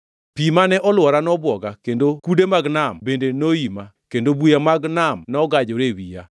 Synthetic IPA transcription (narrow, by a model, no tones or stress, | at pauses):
pimanɛʔɔlwɔɾanɔbwɔɡakendokudemaɡnambendenoimakendobujamaɡnamnɔɡad͡ʒɔɾewija̰